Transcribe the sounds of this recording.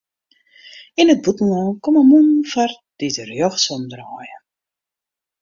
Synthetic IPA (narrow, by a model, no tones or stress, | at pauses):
inət̚butn̩ɔnkɔməmunfar | d̥itərjɔxsɔmdrɔːjə